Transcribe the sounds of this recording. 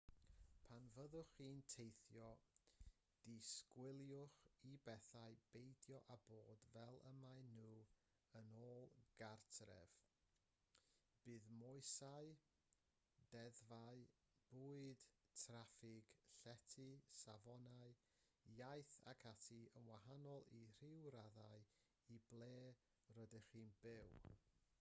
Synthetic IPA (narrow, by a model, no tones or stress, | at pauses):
pʰanvəðʊχiːntʰejθjɔ | d̥iskwɪlˠjʊχibɛθaɨb̥ejdjɔʔaboːdvɛlˠə̰maɨnuː | ənoːlˠɡ̥artʰrɛ̰v̥ | b̥ɨːðmɔɨsaɨ | dɛðvaɨ | b̥uːɨd̥ | tʰrafɪɡ̥ɬɛtʰɨsavɔnaɨ | jajθa̰kʰatʰiənwahanɔlˠir̥ɪwɾaðaɨ | iblˠeː | rədər̥iːnbɪw